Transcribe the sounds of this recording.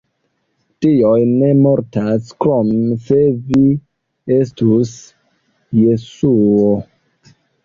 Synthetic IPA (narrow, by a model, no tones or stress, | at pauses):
tiojne̞moɾtaskomse̞vi | estus | je̞suo